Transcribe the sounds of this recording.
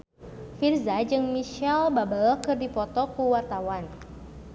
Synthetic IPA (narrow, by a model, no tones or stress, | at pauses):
firzad͡ʒɨŋmiʃɛlbabəlkɨrdipɔt̪ɔkuwart̪awan